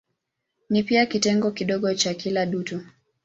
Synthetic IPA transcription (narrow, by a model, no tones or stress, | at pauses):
nipiakitɛŋɡɔkiɗɔɠɔt͡ʃakilaɗutu